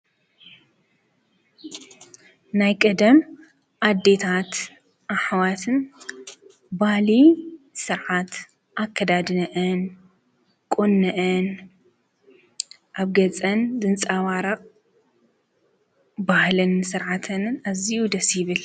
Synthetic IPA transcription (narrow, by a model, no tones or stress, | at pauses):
najkʼɐd̪ɐm | ʔad̪ːe̞t̪ʰat̪ | ʔaħwat̪ʰɨn | bahli | sɨɾʕat̪ | ʔakʰːɐd̪ad̪nɐʔɨn | kʼonːɐʔɨn | ʔaβɡɐt͡sʼɐnd̪ɨnt͡sʼawaɾɐqʼ | bahlɨnsɨɾʕat̪ʰɨnɨnaziud̪ɐsjɪβɨl